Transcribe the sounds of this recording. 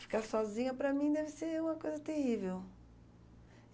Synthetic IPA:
fi̥kaɾsɔzĩɲɐpɾɐmĩd̪ɛvɪseũmɐkojzɐt̪ehivew

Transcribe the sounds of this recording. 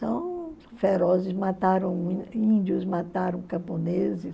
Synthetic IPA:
ɐ̃w̃ | feɾɔzɪsmat̪aɾɐ̃w̃ĩĩnd͡ʒʊzmat̪aɾɐ̃w̃kɐ̃põnezɪs

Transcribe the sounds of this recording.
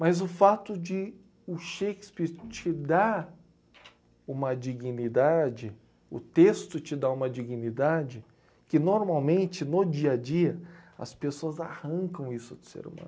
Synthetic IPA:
mɐzʊfat̪ʊd͡ʒɪ | ʊʃekɪ̥spiɾt͡ʃɪd̪a | ũmɐd͡ʒiɡinid̪ad͡ʒɪ | ʊ̰t̪est̪ʊt͡ʃɪd̪aũmɐd͡ʒiɡinid̪ad͡ʒɪ | kɪnoɾmawmẽnt͡ʃɪnod͡ʒiɐd͡ʒiɐɐ̰spesoɐzahɐ̃kɐ̃w̃isʊd̪ʊ̥sḛɾṵmɐ̰̃n

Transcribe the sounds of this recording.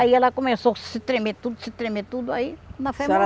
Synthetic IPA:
aiɛlɐkomesosɪt̪ɾemet̪ud̪ʊsɪt̪ɾemet̪ud̪ʊainɐfɛ

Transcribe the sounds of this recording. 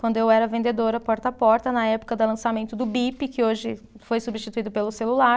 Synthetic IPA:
kwɐ̃nd̪ʊewɛɾɐvẽnd̪ed̪oɾɐpɔɾt̪ɐpɔɾt̪ɐnɐɛpʊ̥kɐd̪ɐlɐ̃samẽnt̪ʊd̪ʊbipɪkɪoʒɪ | fojsubiʃt͡ʃit̪uid̪ʊpelʊselula

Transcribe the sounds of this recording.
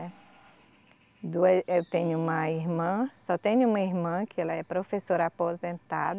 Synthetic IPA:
ɛ | d̪uɐewt̪ẽɲʊũmɐiɦmɐ̃sɔt̪ẽɲʊũmɐiɾmɐ̃kɪɛlɐɛpɾofesoɾapozẽnt̪ad̪

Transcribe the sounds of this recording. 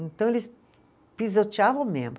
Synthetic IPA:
ẽnt̪ɐ̃w̃elɪs | pizot͡ʃiavɐ̃w̃mḛ̃mb

